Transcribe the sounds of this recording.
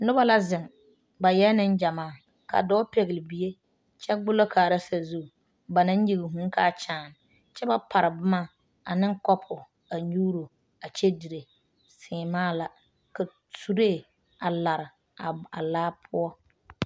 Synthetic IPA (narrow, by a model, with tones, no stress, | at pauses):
nʊ˦ba˦la˦zɪ˨ŋ | ba˨jɛ˦nɪ˦nd͡ʒa˨maː˦˨ | ka̰˨dɔː˦pe˨ɣɪ˨lɪ˨bi˨e˦ | t͡ʃɛ˦ɡ͡bʊ˦lo˦kʰaː˨ɾa˦sa˨zu˦˨ | ba˨nã˦n˦ji˨ɡɪ˨ɦũ˨˦ŋ˦ka˦˨t͡ʃaː˨n˨ | t͡ʃɛ˦ba˦pʰa˨ɾɪ˨bʊ˦ma˦ | a˨nɪ˦ŋ˦kɔ˦pʰʊ˨ | a˨ɲuː˦ɾo˨ | a˨t͡ʃɛ˦di˨ɾe˨ | sɪː˨maː˦˨la˨ | ka˨ | tu˨ɾe˦˨ | a˨la˨ɾɪ˨ | a˨laː˦pʰʊ˦ɔ˦